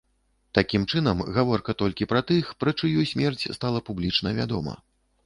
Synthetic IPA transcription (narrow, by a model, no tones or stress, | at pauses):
t̪akʲimt͡ʂɨn̪ɐmɣavɔrkɐt̪ɔlʲkʲipɾɐt̪ɨxpɾɐt͡ʂɨjusʲmʲɛrt͡sʲst̪alˠɐpublʲit͡ʂnɐvʲa̰d̪ɔmɐ̰